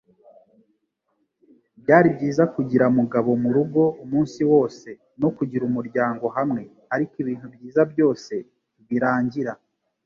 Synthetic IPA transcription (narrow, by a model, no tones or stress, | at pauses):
bjaːɾibɟiːzakuɟiɾamuɡaβo̞muɾuɡo̞umuːnsiwo̞ːse̞ | no̞kuɟiɾumuɾɟaːŋɡo̞ɦamŋe̞ | aɾikiβiːn̥hubɟiːzabjo̞ːse̞ | βiɾaːɲɟiɾa